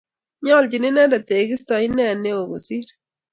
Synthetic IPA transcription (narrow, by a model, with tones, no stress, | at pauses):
ɲɔ˦lt͡ʃi˨ni˦nɛ˦da˨te˨ɡi˦stɔ˨i˦nɛ˦˨ne˦o˨ɡo̰˨si˦ɾ